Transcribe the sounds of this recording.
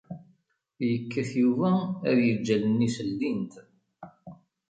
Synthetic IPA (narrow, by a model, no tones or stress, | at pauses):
jəkːæθjuvææðjəd͡ʒːælənːisəlːint̪